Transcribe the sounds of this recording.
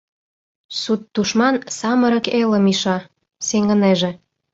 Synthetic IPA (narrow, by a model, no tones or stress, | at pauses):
sut̪ːuʃmɑnsɑməɾə̆keləmiʃɑ | seŋə̆neʒĕ